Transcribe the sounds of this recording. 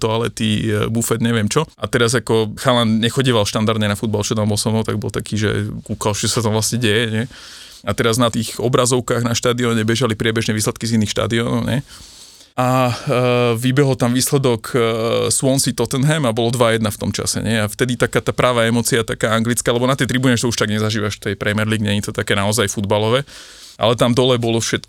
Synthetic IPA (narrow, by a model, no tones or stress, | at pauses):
t̪ɔalɛt̪ibufɛd̪ɲɛʋɪɛmt͡ʃɔat̪ɛɾazakɔxalanɲɛxɔɟiːʋalʃt̪and̪aɾd̪ɲɛnafud̪̚balt͡ʃɔt̪ambɔlsɔnɔt̪aɡ̚bɔ̰lt̪akiːʒɛ̰kuːkalt͡ʃɔsat̪amʋlasɲɛɟɛjɛɲɛ | at̪ɛɾaznat̪iːxɔbɾazɔʊkaːɣnaʃt̪aːd̪iɔɲɛbɛʒalipɾɪɛbɛʒnɛːʋiːslɛt̪kizinːiːxʃt̪a̰d̪iɔnɔʊɲɛ | a | ʋibɛɦɔlt̪amʋiːslɛd̪ɔksʊɔnsit̪ɔt̪ɛnɦɛmabɔlɔd̪ʋajɛd̪naft̪ɔmt͡ʃa̰sɛ̰ɲɛaft̪ɛd̪it̪akaːt̪aːpɾʔaːʋaɛmɔːt͡siat̪akaːaŋɡlit͡skaːlɛbɔnat̪ɛjt̪ɾibuɲɛt̪ɔuʃt̪aɡɲɛzaʒiːʋaʃt̪ɛjpɾɛmɛɾliːɡɲɛɲit̪ɔt̪akɛːnaɔzajfud̪balɔʋɛː | ʔa̰lɛt̪amd̪ɔlɛbɔlɔfʃɛt̪